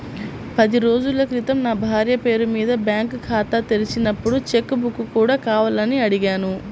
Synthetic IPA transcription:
pɐd̪iɾo̞ːd͡ʒulɐkɾit̪ɐmnaːbʱaːɾjɐpe̞ːɾumiːd̪ɐbjaːŋkkʰaːt̪ɐt̪elit͡ʃinɐpːuɽut͡ʃe̞kːubukːukuːɽaːkaːʋɐlɐniɐɽiɡaːnu

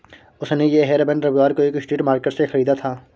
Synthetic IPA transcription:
ʊsnejeɦeːɾbɛ̃ɳɖɾɐbiʋaːɾkoeːkɪsʈiːʈmaːɾkəʈsexɐɾiːd̪at̪ʰaː

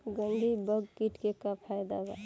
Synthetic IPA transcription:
ɡənɖʱibəɡkiʈkekapʰajd̪aba

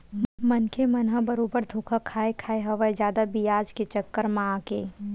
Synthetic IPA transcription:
mɐnkʰemɐnɦəbɐɾoːbəɾd̪ʱuːkʰakʰaːekʰaːeɦɐʋəed͡ʒjaːd̪abijaːd͡ʒket͡ʃɐkːəɾmãːkeː

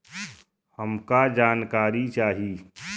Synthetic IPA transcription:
həmkad͡ʒaːnkaːɾit͡ʃaːɦiː

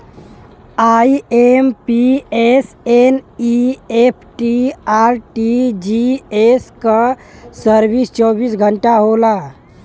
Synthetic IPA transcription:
aiempies | eniepʰʈiaɾʈid͡ʒieskəsəɾbist͡ʃɔbiːsɡʱəɳʈaɦola

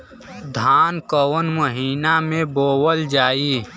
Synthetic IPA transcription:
d̪ʱaːnkəwənməɦiːnamẽboːwəld͡ʒaːiː

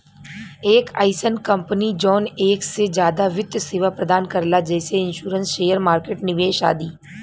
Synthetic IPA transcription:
eːka̰ːɪsənkɐ̃mpənid͡ʒɔːneːksed͡ʒjaːd̪aʋɪd̪jseːʋapɾəd̪aːnkɐɾlad͡ʒɛːseɪ̃nʃuːɾə̃nsʃeːjəɾmaːɾkeːʈnɪʋeːʃa̰ːd̪iː

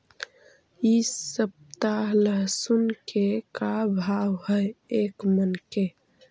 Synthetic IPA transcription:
isəp̚t̪aləɦsunkekabʱawɦəjekmənke

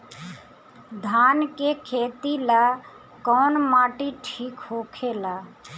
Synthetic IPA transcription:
d̪ʱaːnkekʰeːt̪ila | kɔːnmaʈiʈʰiːkhokʰela

